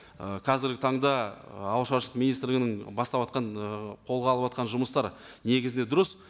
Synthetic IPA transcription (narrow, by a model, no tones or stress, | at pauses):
əqʰɑzɪɾɡʲɪt̪ʰɑɴd̪ɑɑwˠʃɑʃlˠə̥qminijst̪ɾlɪɡʲɪnɪŋbɑst̪ɑpɑt̪̚qɑnqʰo̞lˠʁɑlˠəpɑt̪̚qɑnʒʊməst̪ɑɾ | ne̞ɡʲɪzɪned̪ʊɾəs